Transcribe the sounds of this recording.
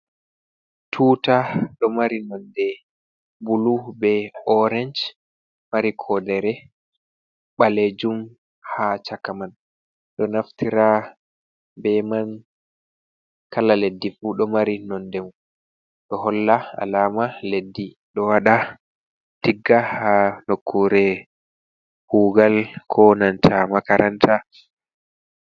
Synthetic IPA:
tʰuːtaɗɔmaɾinɔndɛ | bulubɛɔɾɛɲd͡ʒ | maɾikʰɔdɛɾɛ | ɓaled͡ʒum | hat͡ʃakaman | ɗɔnaftiɾa | bɛman | kalaledːifuɗɔmaɾinɔndɛm | ɗɔɦɔlːaa̰laːmaledːi | ɗɔwaɗa | tiɡːahanokʰːuɾɛ | huːɡalkʰɔnantʰamakaɾantʰa

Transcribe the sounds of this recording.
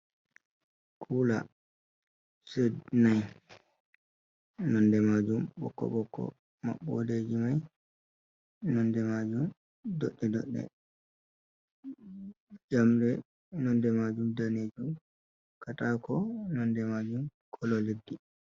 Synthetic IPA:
kʰula̰ | sednaj | nɔndɛmad͡ʒumbɔ̰kːɔ̰ɓɔkːɔ̰ | ma̰ɓːo̰ded͡ʒimaj | nɔndɛmad͡ʒum | dɔɗːɛdɔ̰ɗːɛ̰ | d͡ʒamdɛ | nɔndɛmad͡ʒumdaneːd͡ʒum | katakɔnɔndɛmad͡ʒumkʰɔlɔledːi

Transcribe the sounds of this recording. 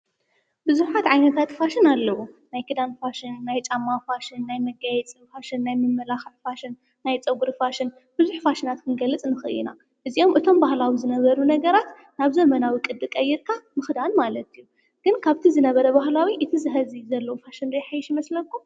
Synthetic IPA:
bɨzuħat̪ʕajnɐt̪ʰat̪faʃɪnalːɐwunajkʰɨd̪anfaʃɪnːajt͡ʃʼamːafaʃɪnːajmɐɡajɛt͡sʼifaʃɨnːajmɨmːɐlaxɐħfaʃɪnː | ajt͡sʼɐɡuɾfaʃɪn | b̥ɨzuħfaʃɨnat̪kʰɨnɡɐlːɨt͡sʼnɨxɨɨ̰ḭna̰ | ʔɨziʔo̞mʔɨt̪ʰo̞mbahlawizɨnɐβɐɾunɐɡɐɾat̪ | naβzɐmɐnawikʼɨd̪ːɨkʼɐjːɛɾk̪ʰamɨxd̪anmalɐt̪ʰijːu | ɡ̥ɨnkʰaβt̪ʰizɨnɐβɐɾɐbaɦlawiʔɨt̪ʰizɨɦɐzizɐlːɐwofaʃɨnɾijħajɪʃjimɐslɐkʰːum

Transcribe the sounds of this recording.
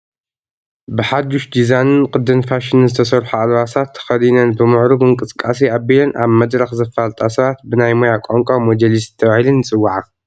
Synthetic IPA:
bɨħad̪uʃd̪izanɨnkʼɨd̪ːɨnfaʃɪnɨnzɨt̪ʰɐsɐɾħualwasat̪ʰːɐ̥xɐd̪inɐnbɨmɨʕɾuɡɨŋkʼɨskʼasiabilɐnʔa̰βmɐd̪ɾɐxzɐfalt̪ʼasɐβat̪̚bɨnajmojakʼoŋkʼamod͡ʒɐlisɨt̪ʰɐβahilɨnːɨt͡sʼɨwːaʕa

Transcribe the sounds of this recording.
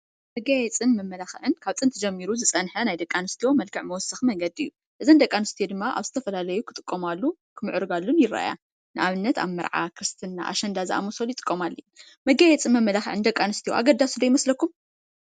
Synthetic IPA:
mɐɡajɛt͡sʼɨnmɐmːɐlaxʕɨnkʰaβt͡sʼɨnt̪ʰɨd͡ʒɐmːiɾuzɨt͡sʼɐnħɐnajd̪ɐkʼːanɨst̪ʰijo̞mɐlkʰɨʕmɐwɔsɨxmɐŋɡɐd̪iɨjːu | ʔɨzɐnd̪ɐkʼːanɨst̪ʰijod̪ɨmːaʔa̰βzɨt̪ʰɐfɐlalɐjukʰɨt̪ʼɨkʼːomalːu | kʰɨmɨʕɾɨɡalːunjɪɾa̰a̰ja̰ | nɨʔaβɨnːɐt̪a̰βmɨɾʕa̰kʰɨɾɨst̪ʰɨnːa̰ʔa̰ʃɐnd̪azɨʔa̰mosoljɪt̪ʼɨ̥kʼːomalːɐn | mɐɡajɛt͡sʼɨmɐmːɐlaxʕɨnd̪ɐkʼːanɨst̪ʰijo̰ʔa̰ɡɐd̪asud̪ɐjɪmɐslɐkːum

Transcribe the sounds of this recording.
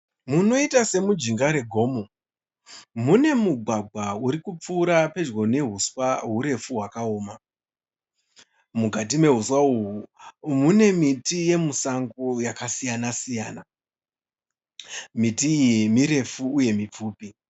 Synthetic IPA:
muno̞itase̞mud͡ʒiŋɡaɾe̞ɡʱo̞ːmo | mune̞muɡʱwaɡʱwauɾikup͡fuːɾape̞d͡ʒwo̞ne̞ɦuswaɦuɾe̞fuɦwakao̞ːma | muɡʱat̬ime̞ɦuswauɦumune̞mitije̞musaŋɡojakasijanasijaːna | mitiːjimiɾe̞fuːje̞mip͡fuːpi

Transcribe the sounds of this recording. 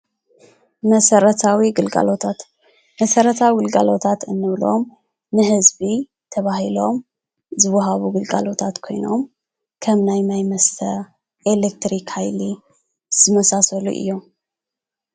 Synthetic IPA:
mɐsɐɾɐt̪ʰawiɡɨlɡa̰lo̞t̪ʰat̪ | mɐsɐɾɐt̪ʰawiwɨlɡa̰lo̞t̪ʰat̪ɨnːɨβlo̞m | nɨhɨzbi | t̪ʰɐβahilo̞m | zɨwːɐɦaβuɡɨlɡa̰lo̞t̪ʰat̪kʰo̞̰jno̞̰m | kʰɐmnajnajmɐst̪ʰɐ | ʔelek̚t̪ɾikhajli | z̥ɨmɐsasɐlṵʔɨ̰jːo̞m

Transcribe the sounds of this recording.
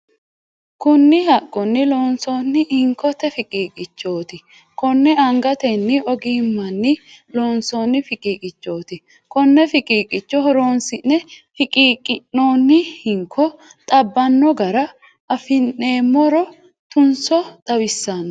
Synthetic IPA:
kʊnːɪhɐkʼːɔnːɪlo̞ːnso̞ːnːɪhɪŋkːɔt̪ɛfɪkʼiːkʼɪt͡ʃːo̞ːt̪ɪ | kɔnːɛɐŋɡɐt̪ɛnːɪɔɡiːmːɐnːɪloːnso̞ːnːɪfɪkʼiːkʼɪt͡ʃːo̞ːt̪ɪ | kɔnːɛfɪkʼiːkʼɪt͡ʃːɔhɔɾo̞ːnsɪnːɛfɪkʼiːkʼɪnːoːnːɪhɪŋkʰːɔt̪ʼɐbːɐnːɔɡɐɾɐ | ɐfɪnːe̞ːmːɔɾɔ | t̪ʊnsɔt̪ʼɐwɪsːɐn

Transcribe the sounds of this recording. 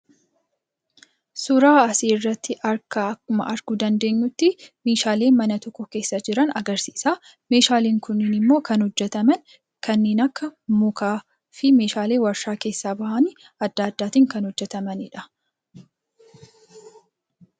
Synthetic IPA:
sʊɾaːɐsiːɪrːɐt̪ːɪʔɐɾkɐɐkːʊmɐ̰ʔɐɾɡʊd̪ɐnd̪e̞ːɲːʊt̪ːɪmeːʃaːle̞ːmɐnɐt̪ɔkːɔke̞ːsːɐd͡ʒɪɾɐnɐ̰ɡɐɾsiːsaː | me̞ːʃaːleːŋkʊnːinɪmːo̞ːkɐnhɔd͡ʒːɛt̪ɐmɐn | kɐnːeːnɐkːɐmʊkʰaː | fɪme̞ːʃaːle̞ːwɐɾʃaːke̞ːsːaːbɐhɐnɪ | ɐd̪ːɐːd̪ːaːt̪iːŋkɐnhɔd͡ʒːɛt̪ɐmɐnɪᶑɐ̥

